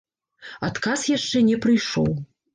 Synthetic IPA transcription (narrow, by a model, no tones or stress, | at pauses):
at̪kasjaʂt͡ʂɛnʲɛpɾɨjʂɔ̰w